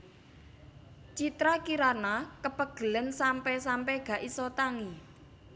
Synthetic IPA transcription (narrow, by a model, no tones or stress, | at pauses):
t͡ʃit̪ɾakiɾanakəpəɡ̥ə̤lənsampɛsampɛɡ̥ä̤ʔisɔt̪aŋi